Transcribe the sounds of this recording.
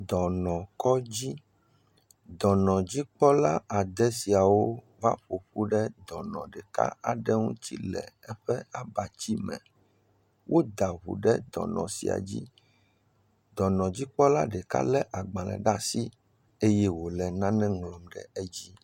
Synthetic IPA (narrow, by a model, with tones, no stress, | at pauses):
d̪ɔ˨nɔ̃˨kɔ˦d͡ʑi˦ | d̪ɔ˨nɔ̃˨d͡ʑi˦k͡pɔ˦la˦a˨d̪ɛ˦si˨a˨wo˦ | va̰˦ɸo˨ɸu˦ɖɛ˦d̪ɔ˨nɔ̰̃˨ɖɛ˨ka̰˦a˨ɖɛ˦ŋṵ̃˦t͡ɕḭ˦lɛ̰˨ɛ˦ɸɛ˦a˨ba˨t͡ɕi˦mɛ̰̃˨ | wʔo˦d̪a˨ɦṵ˨ɖɛ˦d̪ɔ̰˨nɔ̰̃˨sḭ˨a̰˨d͡ʑḭ˦ | d̪ɔ˨nɔ̃˨d͡ʑi˦k͡pɔ˦la˦ɖɛ˨ka̰˦lɛ˦ʔa˨ɡ͡bã˨lɛ̰̃˨ɖa˦si˦ | e˦jɛ˦wo˨lɛ˨nã˦nɛ̃˦ŋlɔ˨mɖɛ̰˨ɛ˦d͡ʑi˦